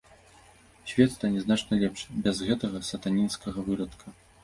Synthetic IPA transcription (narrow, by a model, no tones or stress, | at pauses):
ɕʲvʲɛt̪t̪ɐnʲɛznat͡ʂnɐlʲɛpʂbʲɛzɣɛt̪ɐɣɐsɐt̪anʲinskɐɣɐvɨɾɐt̪kʰɐ